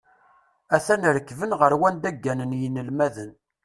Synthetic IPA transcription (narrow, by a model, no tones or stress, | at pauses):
æθænɾəkːvənʁəɾwænd̪æɡːænənjinəlmæðən